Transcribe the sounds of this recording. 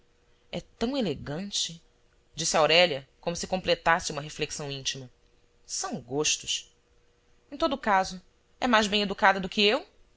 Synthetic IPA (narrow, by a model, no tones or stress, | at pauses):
ɛt̪ɐ̃w̃eleɡɐ̃nt͡ʃɪ | d͡ʒisɪawɾɛʎɐkõmʊsɪkõplet̪asɪũmɐɦefleksɐ̃w̃ĩnt͡ʃimɐ | sɐ̃w̃ɡoʃt̪ʊ̥ʃ | ẽt̪od̪ʊkazʊ | ɛmajzbẽj̃ed̪ukad̪ɐd̪ʊkɪew